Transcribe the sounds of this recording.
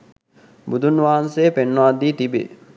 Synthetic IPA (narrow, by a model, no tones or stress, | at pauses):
bud̪ʱunʋaːansejpenːoad̪iːt̪ibḛ